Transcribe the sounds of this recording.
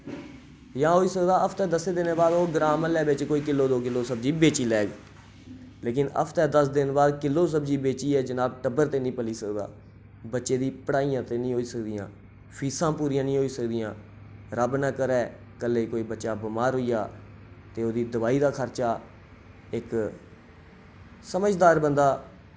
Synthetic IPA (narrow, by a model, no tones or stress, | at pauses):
jãːɦoːiːsəkd̪aːʔəpʰt̪ɛːd̪əseːd̪ɪneːbaːd̪oːɡɾaːməlɛːbɪt͡ʃkoːiːkɪlːoːd̪oːk̬ɪlːoːsəbd͡ʒiːbeːt͡ʃiːlɛːɡ | leːk̬ɪnə̰pʰt̪ɛːd̪əsd̪ɪnbaːd̪kɪlːoːs̬əbd͡ʒiːbeːt͡ʃiːɛːd͡ʒənaːbʈəbəɾt̪eːnĩːpəliːsəkd̪a̰ː | bətːʃeːd̪iːpəɽaːijãːt̪eːnĩːɦoːiːsəkd̪ɪjãː | pʰiːsãːpuːɾiːjãːnĩːɦoːiːsəkd̪ijãː | ɾəbnəːkəɾɛː | kəlːeːkoːiːbətːʃaːbɪmaːɾɦoːijaː | t̪eːoːd̪iːd̪əbaːiːd̪aːkʰəɾt͡ʃaː | ɪk | səməd͡ʒd̪aːɾbənd̪aː